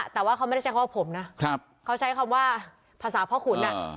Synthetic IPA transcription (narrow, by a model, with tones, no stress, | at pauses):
t̪ɛː˨˩waː˥˩a˦˥wm˥˩˥t͡ɕa˦˥kʰːwa˥pʰo˩˦mna˦˥kʰa˧˩p̚kʰa˦˥˩wt͡ɕʰa˦˥jkʰaː˧mwaː˥˩ | pʰaː˧saː˩˦pʰɔː˥˩kʰu˨˩˦nːa˦˧